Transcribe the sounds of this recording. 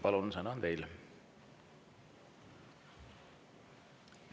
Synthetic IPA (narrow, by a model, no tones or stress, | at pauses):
pɑlunsɑnɑnt̪e̞jl